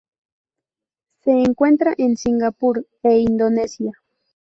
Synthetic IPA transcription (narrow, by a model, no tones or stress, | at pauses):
seːŋkwe̞nt̪ɾaʔensiŋɡapuɾ | eind̪onesja